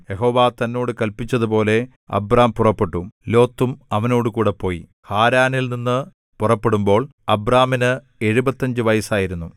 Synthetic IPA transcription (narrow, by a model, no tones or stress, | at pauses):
jeɦo̞ːʋaːt̪ɐnːo̞ːɽɨkɐlpit͡ɕːɐðupo̞ːle̞ | ɐ̰braːmpurɐpːe̞ʈːulo̞ːt̪ːumɐʋɐno̞ːɽɨkuːɽe̞pːo̞ːji | haːɾaːnilninːɨ | purɐpːe̞ɽumbo̞ːɭ | ɐbraːminɨ | e̞ɻubɐt̪ːɐɲd͡ʑɨʋɐjɐsaːjiɾunːu